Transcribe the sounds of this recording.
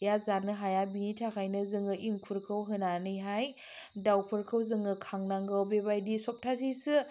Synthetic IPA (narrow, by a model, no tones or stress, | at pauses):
jazanɯɦajabinitʰakʰajnɯzɯŋɯʔiŋkʰuɾkʰɯwɦɯnanɯjɦaj | dawpʰɯɾkʰɯwzɯŋɯkʰaŋnaŋɡɯwbebajdisɔp̚tʰazisɯ